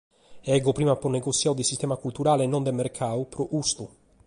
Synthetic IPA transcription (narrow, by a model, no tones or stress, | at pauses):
ɛɡɔpɾiːmapɔnɛɡot̪sːjaːwd̪isist̪ɛːmakult̪uɾaːlenːɔnd̪emːerkʰaːupɾɔʔust̪u